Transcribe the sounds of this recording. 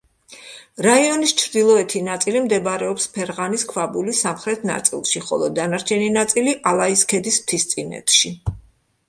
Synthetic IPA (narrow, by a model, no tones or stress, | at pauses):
ɾaiɔnist͡ʃʰɾd̪ilˠɔɛt̪ʰinat̪sʼilimd̪ɛbɾɛɔpspʰɛɾʁaniskʰvabulisamχɾɛt̪ʰna̰t̪sʼḭlˠʃiχɔ̰lˠɔd̪anaɾt͡ʃʰɛninat̪sʼiliʔalˠaiskʰɛd̪ist̪ʰist̪sʼinɛ̰t̪ʰʃi